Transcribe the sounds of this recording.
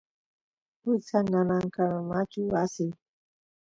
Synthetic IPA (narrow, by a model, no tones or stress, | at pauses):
usanalaŋkaɾamat͡ʃuasi